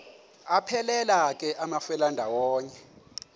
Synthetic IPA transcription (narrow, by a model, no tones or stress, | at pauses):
apʰɛlɛlak̬ʼɛʔamafɛlandʱawɔːɲɛ